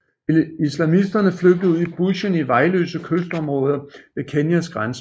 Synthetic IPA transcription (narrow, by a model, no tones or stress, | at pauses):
islæmisd̥ɐnəfløɡ̥̚d̥ð̩ˠuð̰ˠib̥uɕəniʋɑ̈ɪlø̰ːsəkʰøsd̥ɒ̽mʁɔ̽ːð̞ˠɐʋe̝kʰenjæsɡ̥ʁansə